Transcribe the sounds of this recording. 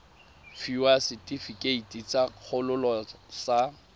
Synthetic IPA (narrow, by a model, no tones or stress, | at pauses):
fiwasɪtʼifikʼeitʼit͡sʼak͡xʰʊlʊlɔsa